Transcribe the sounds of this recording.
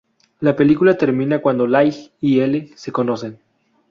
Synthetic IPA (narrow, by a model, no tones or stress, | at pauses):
lape̞likulat̪e̞ɾmĩnakwand̪olajxielese̞ko̞nosen